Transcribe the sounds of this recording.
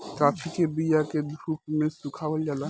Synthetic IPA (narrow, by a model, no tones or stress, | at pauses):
kat͡ʃʰikebijaked̪ʱup̚mesukʰabold͡ʒala